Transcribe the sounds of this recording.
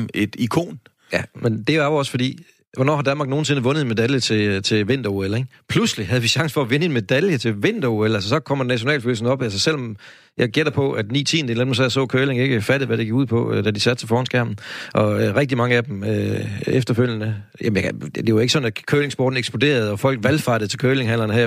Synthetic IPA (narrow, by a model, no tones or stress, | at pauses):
ed̥ikʰo̝̰ːn | jæmend̥e̝æʋɒ̽sfɒd̥ḭː | ʋɒnɒ̰ːhɑ̈dænmɑ̈ɡ̥̚no̝ːn̩se̝nəʋɔ̽nð̩ˠe̝nme̝d̥æljət͡sʰe̝t͡sʰe̝lʋe̝n̰d̥ɐueleɡpʰluslihɦæð̩ˠʋiɕɑ̈ŋsə̥fɒ̽æʋenəe̝nme̝d̥æljət͡sʰe̝lʋe̝n̰d̥ɐuelæls̬əsɒ̽kʰɒ̽m̰ɐdnæɕo̝nɛ̰ːlføːl̩sn̩ɒ̽b̥ælsəsel̰ɒ̽m | jɑ̈ɪɡ̥eɾ̥ɐpʰɒ̽ʔæd̥nḭːt͡sʰḭːnd̥enenmsɛðˠsɔ̰̽ːkʰøːle̝ŋe̝ɡ̥əfæɾ̥ð̩ˠʋæɾ̥eɡiɡuð̞̰ˠpʰɒ̽d̥æd̥isæd̥̚t͡sʰe̝fɒːhɒ̽nsɡ̥æɐ̰mn̩ʔɒ̽ʁeɡ̥̚d̥imɑ̈ŋəæd̥emøefd̥ɐføl̰jənə | jæmjæd̥e̝ʋɑe̝ɡ̥əsɒ̽næ̥kʰøːle̝ŋsb̥ɔ̰ːd̥n̩eɡ̥sb̥od̥e̝̰ːɐð̞̩ˠɒ̽fɒ̽l̰ɡ̥ʋælfɑd̥ɾəð̩ˠt͡sʰe̝lkʰøːle̝ŋhæn̰lɐnəhæɐ̰